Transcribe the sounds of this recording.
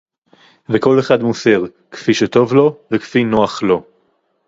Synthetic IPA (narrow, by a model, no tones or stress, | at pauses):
veko̞leχadmuse̞ʁ | kfiʃeto̞vlo̞vekfino̞aχlo̞